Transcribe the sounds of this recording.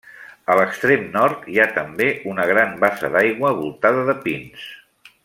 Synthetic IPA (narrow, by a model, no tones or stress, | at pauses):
ələkst̪ɾemnɔɾt̪iat̪əmbeʔunəɣ̞ɾambasə̰ðajɣwəβulˠt̪aðəðəpins